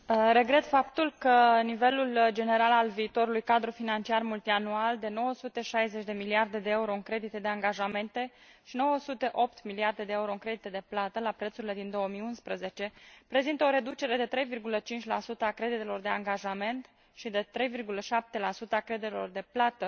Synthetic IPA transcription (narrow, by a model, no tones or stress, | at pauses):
ɾe̞ɡɾe̞t̪fap̚t̪ulkənive̞luld͡ʒe̞ne̞ɾalalviːt̪o̞ɾulujkad̪ɾufinant͡ʃiarmult̪ianuald̪e̞no̞wəsut̪e̞ʃajze̞t͡ʃʲd̪e̞miliard̪e̞d̪eeuɾo̞ɨŋkɾe̞d̪it̪ed̪e̞aŋɡaʒame̞nt̪e̞ | ʃino̞wəsut̪e̞ʔo̞pt̪miliard̪e̞d̪e̞euɾo̞ɨnŋkɾe̞d̪it̪ed̪e̞plat̪əlapɾe̞t̪suɾile̞d̪ind̪o̞womijunspɾəze̞t͡ʃe̞pɾe̞zint̪əo̞ɾe̞d̪ut͡ʃe̞ɾe̞d̪e̞t̪ɾe̞jvirɡulət͡ʃint͡ʃʲla̰sut̪əakɾe̞d̪it̪e̞lo̞rd̪e̞aŋɡaʒame̞nt̪ | ʃid̪e̞t̪ɾe̞jvirɡuləʃap̚t̪e̞lasut̪əakɾe̞d̪it̪ɾelo̞̰rd̪e̞plat̪ə